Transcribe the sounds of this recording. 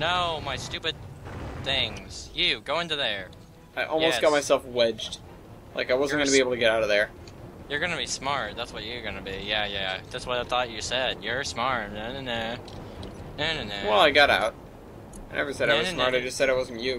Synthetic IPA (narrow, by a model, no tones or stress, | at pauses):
noʊmaɪstʉpɨd̪̚θɪ̃ŋz̥jʉɡoʊɪ̃ntʉðə˞ | aɪʔɔ̰lˠjmoʊsɡɑt̚maɪsɛlˠfwɛd͡ʒd̥ | lʔa̰ɪkaɪwʌzn̩ɡʌnəbieɪb̩l̩ˠtɨɡɛɾaʊɾʌvðə˞ | jə˞ɡʌnɨbismɑɹt̚ðætswʌt͡ʃɨɡʌnɨbijæjæðætswʌɾaɪθɔt͡ʃɨsɛd̥̚jə˞smɑɹɛ̃nɨnɛ | ɨnɨnɛwɛlˠaɪɡɑɾa̰ʊt̚ | nɛvə˞sɛɾaɪwʌz̥smɑɹɾaɪd͡ʒʌstsɛɾaɪwʌzn̩t͡ʃʉ